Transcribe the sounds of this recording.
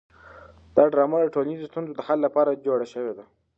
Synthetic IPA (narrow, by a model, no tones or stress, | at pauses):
d̪̥ɑɖɾɑmad̪əʈolanizost̪unzod̪əhallapɑɾad͡ʒoɽaʃəwed̪a